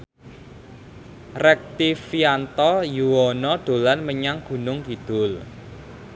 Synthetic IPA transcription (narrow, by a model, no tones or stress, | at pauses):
rɛk̚t̪ifiant̪ɔjuwɔnɔɖ̪̥o̤lanməɲaŋɡ̥ṳnʊŋɡid̪̥ʊl